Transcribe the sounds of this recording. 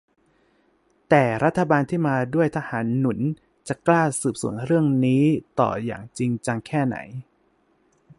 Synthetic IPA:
t̪ɛː˨˩ɾa˦˥t̪ʰːa˧baː˧nt̪ʰiː˥˩maː˧du˥˩əjt̪ʰa˧haː˩˦nːu˩˦n | t͡ɕa˨˩klaː˥˩sɯː˨˩p̚sṵ˩˦ənɾɯ˥˩əŋniː˦˥t̪ɔ̰ː˨˩ja̰ː˨˩ŋt͡ɕi˧ŋt͡ɕa˧ŋkʰɛː˥˩na̰˩˦j

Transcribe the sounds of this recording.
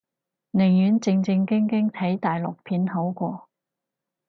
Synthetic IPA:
nɪ˨˩ŋjyː˨˥nt͡sɪ˧ŋt͡sɪ˧ŋkɪ˥ŋkɪ˥ŋt̪ʰɐ˨˥jt̪aː˨˩jlʊ˨k̚pʰiː˨˧nho˨˥wkʷɔː˧

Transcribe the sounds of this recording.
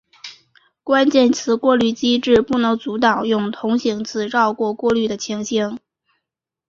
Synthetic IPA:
kwa˥nt͡ɕjɛ˥˩nt͡sʰɹ̩˧˥kwɔ˥˧ly˥˩t͡ɕi˥ʈ͡ʂɻ̩˥˧pu˥˩nɤ˧˥ŋt͡su˧˥t̪ɑ˨˩ʊjʊ˥˩ŋt̪ʰʊ˧˥ŋɕi˧˥ŋt͡sʰɹ̩˨˩ʈ͡ʂɑ˥˧ʊkwɔ˥˧kwɔ˥˧ly˥˩d̪ə˩t͡ɕʰi˧˥ŋɕi˥ŋ

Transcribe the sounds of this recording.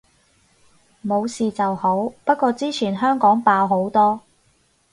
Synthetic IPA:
mo˨˧wsiː˨t͡sɐ˨who˨˥wpɐ˥t̚kːɔː˧t͡siː˥t͡sʰiː˨˩nɦœː˥ŋkɔː˨˥ŋpaː˧wɦo˨˥wt̪ɔː˥

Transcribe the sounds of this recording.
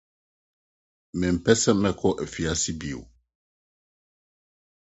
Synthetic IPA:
mɛ˨m̩˨pɛ˦sɛ˦mɛ˦˨kʰɔ˦ʔɛ˨fi˨a˦si˦bi˨ṵ˨

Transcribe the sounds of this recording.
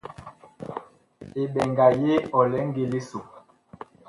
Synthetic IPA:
e˨ɓɛ˨ŋɡa˨je˦ɔ˨lɛ˨˦ŋ˦ɡe˨li˦so˨

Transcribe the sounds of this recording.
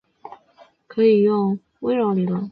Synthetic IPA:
kʰɤ˧˥i˨˩jʊ˥˧ŋ | we˥ɪɻɑ˧˥ʊli˨˩lə˧

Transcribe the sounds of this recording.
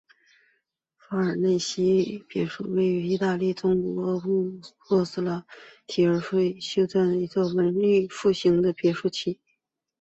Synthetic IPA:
fa˥ə˞˨˩ne˥˩ɪɕi˥pjɛ˧˩ʂu˥˩we˥˩ɪy˧˥i˥˧t̪a˥˧li˥˩t͡sʊ˥ŋkɔ̰˨˩˧wwɔ˥˧s̩˥˩lə˧t̪ʰi˨˩ə˞˧˥ʂwe˥˩ɪɕjo˥ʊt͡sa˥˩n˨i˧˥t͡swɔ˥˩wə˧˥nly˥˧fu˥˩ɕi˧˥ŋd̪ə˧pjɛ˧˥ʂu˥˩t͡ɕʰi˥˩˦

